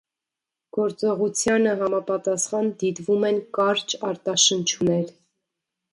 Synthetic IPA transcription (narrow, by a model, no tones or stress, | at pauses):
ɡ̥ɔɾt͡sɔʁut͡sʰjɑnəɦɑmɑpɑt̪ɑsχɑnd̪it̪vumɛnkɑɾt͡ʃɑɾt̪ɑʃənt͡ʃʰunɛɾ